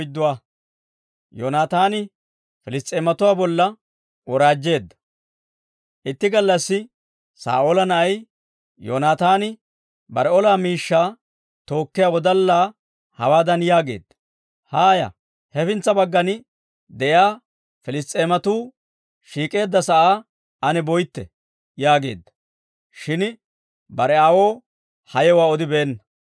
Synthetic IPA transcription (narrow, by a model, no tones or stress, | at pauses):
d̪ːʊwaː | jonaːt̪aːnɪ | fɪlɪst̪ʼeːmɐt̪ʊwaːbɔlːɐ | ɔɾaːd͡ʒːe̞ːd̪ːɐ̥ | ʔɪt̪ːɪɡɐlːɐsːɪ | sa̰ːʔolɐnɐʔɐj | jo̰naːt̪aːnɪ | bɐɾɛɔlaːmiːʃːaː | t̪o̞ːkːɪjawɔd̪ɐlːaː | hɐ̰waːd̪ɐnjaːɡe̞̰ːd̪ːɐ̥ | haːjɐ̰ | hɛfɪnt͡sːɐbɐɡːɐnɪ | d̪ɛjaː | fɪlɪst̪ʼːe̞ːmɐt̪uː | ʃiːkʼe̞ːd̪ːɐsɐʔaː | ʔɐnɛbɔjt̪ːɛ̰ | jaːɡe̞̰ːd̪ːɐ̥ | ʃɪn | bɐɾɛaːwo̞ː | hɐjɛwaːɔd̪ɪbeːnːɐ